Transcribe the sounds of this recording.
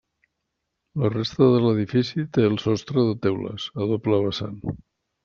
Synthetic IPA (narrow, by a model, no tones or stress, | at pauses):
lərest̪əðələðifisit̪eəlˠsɔst̪ɾəðət̪ewlə̰səðopləβəsa̰n